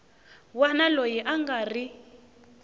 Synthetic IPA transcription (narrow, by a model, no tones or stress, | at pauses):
wanalojiʔaŋɡari